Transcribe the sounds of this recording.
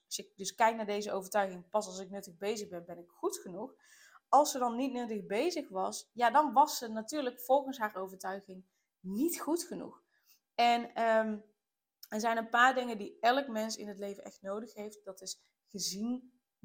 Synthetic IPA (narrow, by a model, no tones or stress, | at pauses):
ɑsɪk̚dɵskɛjk̚naːɹdejzəʔowvəɹtœɥɣɪŋpɑsɑlˠsɪk̚nɵtəɣbejzəɣbɛnbɛnɪkxutxənux | ɑlˠsədɑnːitnɵtəɣbejzəxʋɑsjadɑnʋɑsːənatyːɹləkfɔlˠχənsɦaːɹʔowvəɹtœɥɣɪŋ | nitχutxənṵx | ɛnəm | ɛɹzɛjnənpaːɹdɪŋəndiɛlˠəkmɛnsɪ̰nətlejvənɛ̰xtnowdəxɦejft̚d̥ɑtɪs | χəzin